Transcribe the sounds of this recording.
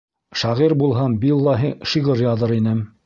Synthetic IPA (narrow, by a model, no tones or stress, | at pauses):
ʃɑʁiɾbulˠɦɑmbilˠːɑɦiʃiʁɤɾjɑðɤɾinɘm